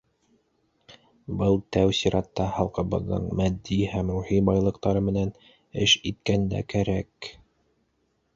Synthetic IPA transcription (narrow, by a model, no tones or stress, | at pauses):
bɤlˠt̪æwsiɾɑt̪ːɑhɑlˠqɤ̆βɤ̰̆ðːɤ̰ɴmæd̪ːihæmɾuhibɑjlˠɤ̆qt̪ɑɾɤmɘ̆næn | ɘʃit̪̚kænd̪æ̰kæɾæk